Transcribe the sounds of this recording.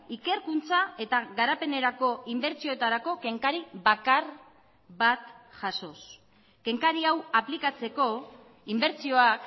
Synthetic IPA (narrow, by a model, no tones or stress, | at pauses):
ike̞ɾkunt͡sae̞t̪aɣaɾape̞ne̞ɾako̞imbe̞ɾt͡sio̞et̪aɾako̞ke̞ŋkaɾiβakar | βat̪ʝaso̞s | ke̞ŋkaɾiawaplikat͡se̞ko̞ | imbe̞ɾt͡sio̞ak